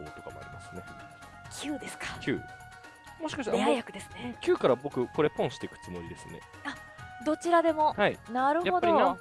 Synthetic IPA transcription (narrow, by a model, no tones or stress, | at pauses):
o̰ːt̪o̞kamo̰a̰ɾʲḭmasɨne̞ | kʲʰɨːd̪e̞sɨ̥kḁkʲʰɯ̰ː | mo̞ɕi̥kaɕt̪aajakɯ̟d̪esɨ̥nekʲɨːkaɾabo̞kɯ̟ko̞ɾe̞põɰ̃ɕi̥t̪ekɯ̟̥t͡sɨmo̞ɾid̪e̞sɨne̞̰ | a | d̪o̞t͡ɕiɾad̪e̞mo̞hainaɾɯ̟aho̞daio̞a